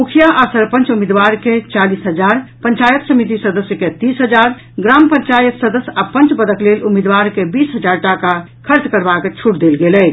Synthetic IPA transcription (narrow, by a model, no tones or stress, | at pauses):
mukʰijaʔasəɾpə̃nt͡ʃumid̪ʋaɾket͡ʃalisɦəd͡ʒaɾpəɲt͡ʃajət̪səmit̪̬isəd̪əsjəket̪isɦəd͡ʒaɾ | ɡɾampəɲt͡ʃajət̪səd̪əsjapə̃nt͡ʃbəd̪əklelumid̪ʋaɾkebisɦəd͡ʒaɾʈaka | kʰəɾt͡ʃkəɾbaket͡ʃʰuʈd̪elɡelɛ